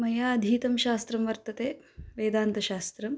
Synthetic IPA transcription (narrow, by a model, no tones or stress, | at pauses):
mɐjaːɐd̪ʱiːt̪ɐmʃaːst̪ɾɐmʋɐɾt̪ɐt̪eː | ʋeːd̪aːnt̪ɐʃaːst̪ɾɐm